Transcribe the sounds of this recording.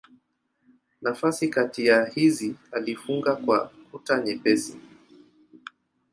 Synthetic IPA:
nafasikatijahizialifuŋɡakwakutaɲɛpɛsi

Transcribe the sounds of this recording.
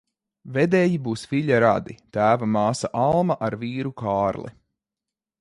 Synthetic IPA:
vɛd̪ɛːjibuːsviʎʲaɾa̰d̪it̪æːvamɑːsaʔalˠmaʔaɾviːɾukaːɾlˠḭ

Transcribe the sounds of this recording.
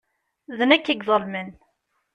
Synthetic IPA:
ðənækːəɡðˤəlmən

